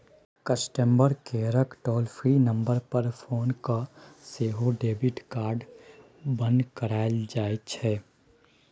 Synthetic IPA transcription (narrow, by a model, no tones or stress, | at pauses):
kəsʈəmbəɾkeːɾəkʈɔːlpʰɾinə̃mbəɾpəɾpʰoːnkaseːɦoɖeːbɪʈkaːɾɖ | bə̃nd̪kəɾaːld͡ʒaːet͡ʃʰɛː